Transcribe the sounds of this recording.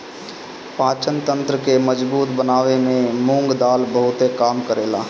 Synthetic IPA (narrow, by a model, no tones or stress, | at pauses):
paːt͡ʃənt̪ə̃nt̪ɾəkeməd͡ʒbuːt̪bənaːʋemẽmʊ̃ŋɡd̪aːlbəɦʊt̪ekaːmkəɾeːla̰ː